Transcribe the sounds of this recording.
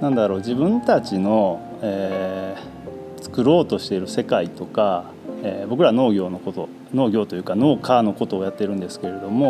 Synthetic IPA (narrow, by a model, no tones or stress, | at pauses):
nãnd̪aɾo̞ːd͡ʑibɯ̟̃nt̪at͡ɕino̞ | eː | t͡sɨ̥kɯ̟ɾo̞ːt̪o̞ɕi̥t̪e̞ɾɯ̟se̞kait̪o̞ka | eːbo̞k̬ɯɾaβno̞ːɡʲo̞ːnokot̪o̞ | no̞ːɡʲo̞ːt̪ojɯ̟ːkano̞ːkaːno̞ko̞t̪o̞ːjat̪ːe̞ɾɯ̟̃nd̪e̞sɨ̥ke̞ɾe̞d̪o̞mo̞